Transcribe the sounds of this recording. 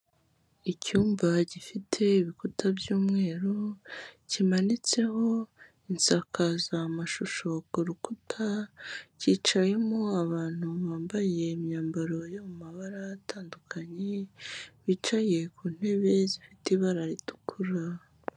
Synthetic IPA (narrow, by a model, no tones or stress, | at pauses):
icuːmbaɟifitʰe̞iβikutʰabjuːmŋe̞ːɾocimanit͡se̞ho̞ | insakʰazamaʃuʃo̞kuɾukutʰaciːt͡ʃaje̞moaβaːn̥huβaːmbaje̞ːmɲaːmbaɾo̞jo̞mumaβaɾatʰaːndukʰaɲe̞βit͡ʃaje̞kuːn̥he̞βe̞zifitiβaɾaɾitu̥kʰuɾa